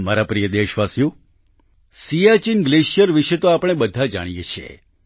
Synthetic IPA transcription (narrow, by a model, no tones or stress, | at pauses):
maɾapɾijəd̪eʃʋasjũ | sijat͡ʃinɡleʃjəɾʋiʃet̪oapɽ̃ebəd̪ʱad͡ʒa̰ɽ̃ijet͡ʃʰiḛ